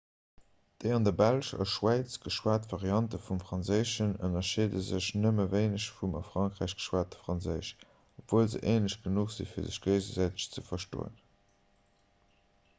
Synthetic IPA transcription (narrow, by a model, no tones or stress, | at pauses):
d̥eɪɑndɐbælʃɑ̰ʃwæɪt͡sɡ̥əʃwaːtvaʁiɑntəfumfʁ̥ɑnzəɪʃənə̰nɐʃiːdəzəɕnəməveɪnəɕfumɑ̰fʁɑŋkʁæɪɕɡ̥ə̥ʃwaːt̚ə̥fʁɑnzəɪɕ | opv̥oːlzə̰ʔeːnəɕɡ̥ənuχz̥ḭfiːɐzə̰ɕɡ̥əɪzəzæɪtə̥ɕt͡səfɐʃto̰ːə̰n